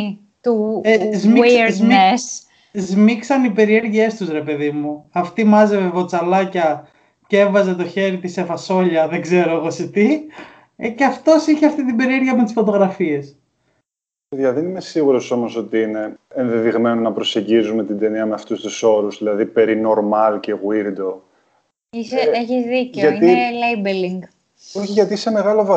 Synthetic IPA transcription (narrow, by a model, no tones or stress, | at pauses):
t̪uezmizms | zmiksɐnipe̞ɾie̞ɾʝie̞st̪usɾe̞pe̞ðimuɐft̪imɐzevevo̞t͡sɐlɐcɐ | cee̞vɐze̞t̪o̞çe̞ɾit̪ise̞fɐso̞ʎɐðeɡze̞ɾoeɣoset̪i | ceɐft̪o̞siçeɐft̪it̪ibe̞ɾieɾʝiɐmet̪i̥sfo̞t̪o̞ɣɾɐfie̞s | eðjɐðenimesiɣuɾo̞so̞mo̞so̞t̪iine̞ːnðeðiɣme̞nonɐpɾose̞ɟizume̞t̪id̪eniɐmeɐft̪ust̪uso̞ɾuzðilɐðipe̞ɾino̞ɾmɐlce̞ɣwiɾd̪o̞ | iseeçizðiceoʝɐiielejbeliŋɡ | oçiʝɐt̪iisemeɣɐlovɐ